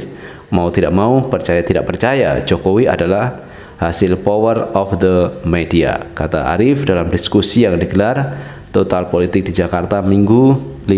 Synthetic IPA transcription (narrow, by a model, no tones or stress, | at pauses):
maut̪idaʔ̚maupərt͡ʃajat̪ida̰ʔ̚pərt͡ʃaja̰d͡ʒokowia̰dalah | hasɪlpowərɔfd̪əmedia̰kat̪a̰ʔa̰ɾɪfdalamdiskusijaŋdiɡəlar | t̪ot̪alpolit̪ɪk̚did͡ʒakart̪amiŋɡu | li